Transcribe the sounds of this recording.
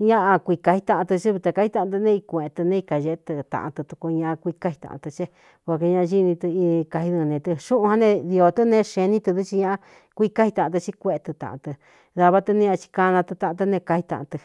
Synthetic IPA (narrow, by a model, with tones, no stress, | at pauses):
ɲã˦ʔa˧kʷi˧ka˧hi˧t̪ã˧ʔã˧t̪ɨ˧t͡ʃi˦βi˧t̪a˧ka˧hi˧t̪ã˧ʔt̪̬ɨ˧nẽ˦˧i˧kʷẽ˨e˧t̪ɨ˧nẽ˧i˧ka˨ʒe˧˦t̪ɨ˧t̪ã̰˧ʔã̰˧t̪ɨ˧t̪u˧ku˧ɲã˧ʔã˧kʷi˧ka˦hi˧t̪ã̰˧ʔt̪ɨ˧t͡ʃe˦ | ko˧˨ke˧ɲã˧ʔʒi˦nĩ˧t̪ɨ˧ka˧hi˧ðɨ˧nẽ˧t̪ɨ˧ʃũ˦ʔũ˧hã˦˧nẽ˧ði˧o˧t̪ɨ˦nẽ˦˧ʃẽ˧nĩ˦t̪ɨ˧ðu˦t͡ʃi˧ɲã˧a˧ | kʷi˧ka˦hi˧t̪ã˨ã˧t̪ɨ˧t͡ʃi˧kʷe˧e˧t̪ɨ˧t̪ã̰˨˧ʔã̰˧t̪ɨ˧ | ða˧βa˦t̪ɨ˧nẽ˦ɲã˧t͡ʃi̥˧ka˧nã˧t̪ɨ˧t̪ã˧ʔã˧t̪̬ɨ˧nẽ˧ka˧hi˧t̪ã̰˧ʔã̰˧t̪ɨ˧